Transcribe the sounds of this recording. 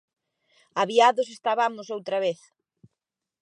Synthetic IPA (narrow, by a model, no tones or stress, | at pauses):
aβiaðʊs̬est̪aβamʊsowt̪ɾɐβeθ